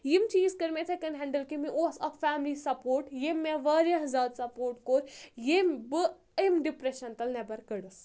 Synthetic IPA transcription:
jimt͡ʃiːzkɐɾmet̪ʰɐkɐnɦɛɳɖɐlkimiʔoːsɐkfaːmlisɐpoːɾʈjemːeʋɐːɾeɦɐzaːd̪sɐpoːɾʈ̚koːɾjembɨ | emɖipɾeʃɐnt̪ɐlnɐbɐɾkəɽus

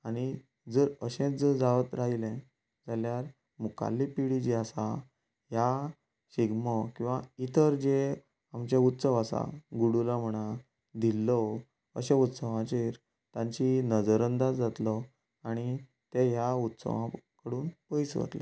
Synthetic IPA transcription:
aɽ̃i | d͡zəɾəɕẽt͡sd͡zəɾd͡zaʋət̪ɾaɦilɛ̃ | d͡zaljaɾ | muka̰lːipiɽid͡ʑiasa | ɦja | ɕiɡmɔkĩw̃ʋait̪əɾd͡ʑe | amt͡ɕaut̪səʋasa̰ɡuɽulam̤əɽ̃a | d̪ilːɔ | əɕeut̪səʋãt͡ɕeɾ | t̪jãɲt͡ɕinəd͡zəɾənd̪ad͡zat̪lɔ | aɽ̃i | t̪eɦjaut̪sə̰ʋãkəɽuːnpəjsʋə̰t̪lḛ

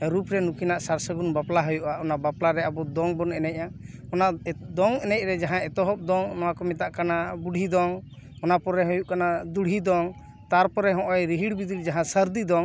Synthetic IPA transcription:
ɾupɾɛnukinaʔsaɾsəɡunbaplaɦɔjuʔaʔɔnabaplaɾɛabɔd̪ɔŋbɔnɛnɛc̚ˀaɔnaʔd̪ɔŋɛnɛc̚ɾɛd͡ʒaɦãɛt̪ɔɦɔp̚d̪ɔŋnɔwakɔmɛt̪aʔkanabuɽʱid̪ɔŋ | ɔnapɔɾɛɦɔjuʔkanad̪uɽʱid̪ɔŋ | t̪aɾpɔɾɛɦɔ̃ʔɔjɾiɦiɽbid̪iɾd͡ʒaɦãsəɾd̪id̪ɔŋ

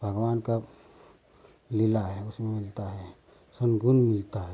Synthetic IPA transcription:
bʱəɡwaːnka | lɪlaɦɛʊsmemɪlt̪aɦɛ | sonɡʱʊnmɪlt̪aɦɛ

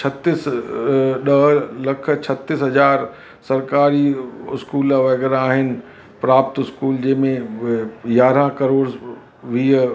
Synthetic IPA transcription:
t͡ʃʰɐt̪ɪs | ɗɐɦlɐkʰə̆t͡ɕʰɐt̪ɪsɦɐzaːɾ | sɐɾkaːɾiʊskuːlaʋɐɡɛːɾaːɦɪnɪ̆ | pɾaːpt̪ʊskuːld͡ʑɐ̃ːmẽ | jaːɾãkɐɾoːɾ | ʋiːə

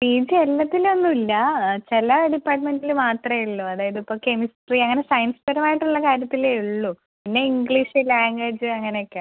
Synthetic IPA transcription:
iːd͡ʑelːɐt̪ːilonːuilːɐt͡ɕelɐɖipːaːʈmenɖilɨmaːt̪rɐjiɭːuɐðaːjɐðipːoːke̞misʈriɐŋːɐne̞sɐjnsfeɾɐmaːjiʈːuɭːɐkaːɾjɐt̪ːileiɭːu | pinːe̞iŋɡɭiʂɨlaːŋɡeːd͡ʑɨɐŋːɐnejokʲːe

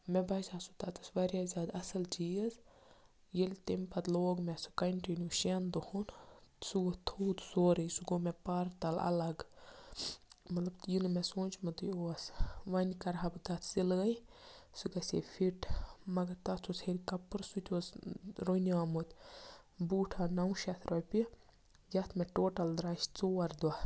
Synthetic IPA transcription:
mɛbɐzaːsut̪ɐt̪ʰusbɐɾʲjaːzʲaːd̪ɐsɐlt͡ʃiɐz | jilʲt̪empɐt̪loːɡmɛsukɐɳʈinʲuʃend̪uhunsuɡot̪ʰut̪soːɾɐjsuɡomɛpɐɾt̪ɐlɐ̰lɐɡ | mɐt̪lɐbt̪jinmɛsoːnt͡ʃmɐd̪ujosʋɐnʲkɐɾɦɐbd̪ɐt̪ʰsilɡɐjsukɐsḛfʰiʈmɐɡɐɾt̪ɐt͡sʰusheɾʲkɐpːɨɾsut̪ʲosɾonʲaːmut̪ | buːʈʰaːnɐwʃɐt̪ɾopi | d͡ʒɐt̪meʈoːʈɐld̪ɾaʃt͡soːɐɾd̪wa

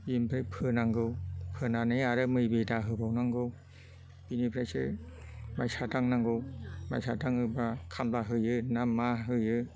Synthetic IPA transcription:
jimpʰɾapʰɯnaŋɡɯwpʰɯnanɯjaɾɯmɯjbedaɦɯbawnaŋɡɯw | binipʰɾajsɯ̰ | majsʰataŋnaŋɡɯwma̰sʰadaŋɯbakʰamblaɦɯjɯnamːaɦɯjɯ

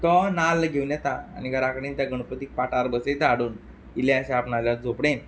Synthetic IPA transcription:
t̪ɔnalɡʱeunjɛt̪a̰ːniɡaɾakɽĩːnt̪jaɡəɽ̃pət̪ik̚paʈaɾbəset̪aɽuːn | ileaɕaapnaljad͡zopɽẽn

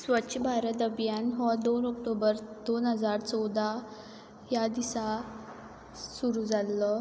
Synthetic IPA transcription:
sʋətːɕʰəbʱaɾət̪əbjanɦɔd̪onɔk̚ʈobəɾd̪onɦəd͡zaɾt͡sɔwd̪ʱa | jad̪isa | suɾuːd͡zʱalːə

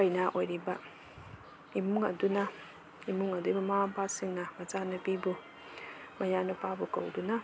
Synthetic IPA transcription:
ajnaʔojɾiba | imuŋɐ̰duna | imuŋɐdubɐmampasiŋnamɐzanabibu | mɐjanɐpabuko̰wduna

